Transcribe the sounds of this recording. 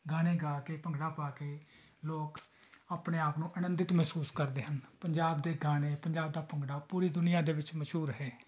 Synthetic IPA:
ɡaːneːɡaːkeːpəŋɡɽaːpaːkeː | loːkaːpneːaːpnũːʔənənd̪ɪt̪mɛːsuːskəɾd̪eːɦənpəɲd͡ʒaːbd̪eːɡaːneːpəɲd͡ʒaːb̚d̪aːpəŋɡɽaːpuːɾiːd̪ʊnɪjãːd̪eːʋɪt͡ʃməʃɦuːɾɦɛː

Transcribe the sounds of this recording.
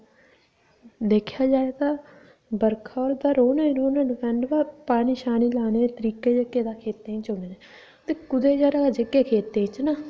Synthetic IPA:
d̪eːkʰjaːd͡ʒaːed̪aː | bəɾkʰaːoːɾd̪aːɾoːneɾoːnəːkɛɳɖbaːpaːniːʃaːniːlaːneːeːt̪əɾiːkeːd͡ʒekːeːd̪aːkʰeːt̪ːẽːt͡ʃoːnea | t̪eːkʊd̪eːd͡ʒaɾaːd͡ʒekːeːkʰeːt̪ːẽːt͡ʃnaː

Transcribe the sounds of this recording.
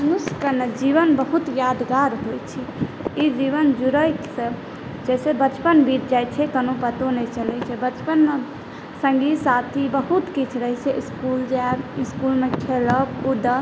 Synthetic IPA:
mənuskəned͡ʒiʋənbəɦut̪jad̪ɡaɾɦojt͡ʃʰiid͡ʒiβənd͡ʒuɾəkse | d͡ʒɛsebət͡ʃpənbiɾd͡ʒajt͡ʃʰɛkənopət̪onɛt͡ʃəlɛt͡ʃʰɛbət͡ʃpənme | səŋɡisat̪ʰibəɦut̪kit͡ʃʰɾəɦiseʔiskuld͡ʒaiskulmekʰeləbud̪ə

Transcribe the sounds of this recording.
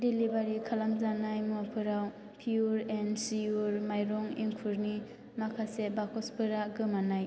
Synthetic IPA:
dilibaɾikʰalamzanajmɔpʰɯɾaw | pʰiuɾɛnsiuɾmajɾɔŋiŋkʰuɾni | makʰasebakʰɔspʰɯɾaɡɯmanaj

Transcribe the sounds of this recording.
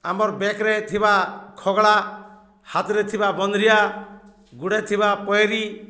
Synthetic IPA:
amɔɾbekɾet̪ʰibakʰɔɡɭa | hat̪ɾet̪ʰibabɔnd̪ɾija | ɡuɽet̪ʰibapɔjɾi

